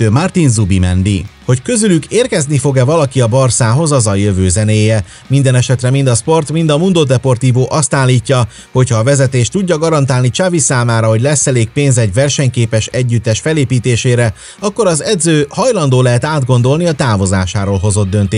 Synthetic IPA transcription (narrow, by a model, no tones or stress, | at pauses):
mart̪inzubimɛ̰nd̪ḭho̞ckøzylykeːrkɛznifo̞ɡɛvɒlɒkiɒbɒrsaːɦo̞zɒzɒjøvøːzɛneːjɛ | mind̪ɛnɛʃɛt̪rɛmind̪ɒspo̞rt̪mind̪ɒmund̪od̪ɛpo̞rt̪iːvoːʔɒst̪aːlːiːcːɒ | ho̞chɒːvɛzɛt̪eːʃt̪uɟːɒɡɒɾɒnt̪aːlnit͡ʃavisaːmaːɾɒɦo̞ɟlɛsːɛleːk̚peːnzɛɟvɛrʃɛɲkeːpɛʃɛɟːyt̪ːɛʃfɛleːpiːt̪eːʃeːɾɛ | ɒkːo̞ɾɒzɛd̪zøːhɒjlɒnd̪oːlɛɦɛt̪aːd̪ɡo̞nd̪o̞lniɒt̪aːvo̞zaːʃaːɾoːlɦo̞zo̞d̪ːø̞nt̪eː